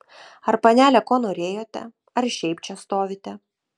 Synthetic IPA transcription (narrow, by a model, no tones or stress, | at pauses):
ɐɾpɐnʲæːlʲɛkoːnoːɾʲeːjoːt̪ʲɛ̰ | ɐɾʃʲɛɪp̚t͡ʃʲɛst̪oːʋʲɪt̪ʲɛ